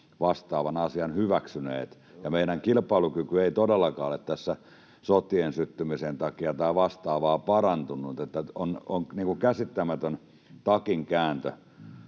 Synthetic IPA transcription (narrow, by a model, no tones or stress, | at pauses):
ʋɑst̪ɑːʋɑnɑsiɑnhyʋæksynḛːt̪ | jɑmeinæŋkilpˑɑilukykyeit̪odelːɑkɑːolet̪t̪æsːæ | sot̪iensyt̪ːymisent̪ɑkiɑt̪ɑːʋɑst̪ɑːʋɑːpɑrɑnt̪unːˑut̪et̪ːæonoŋniːŋkuŋkæsit̪ːæmæt̪øn | t̪ɑkiŋkæːnt̪ø̰